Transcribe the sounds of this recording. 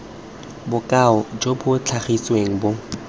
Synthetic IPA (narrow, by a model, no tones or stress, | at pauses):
bʊkʼaɔd͡ʒobʊt͡ɬʰaχisweŋ̩bo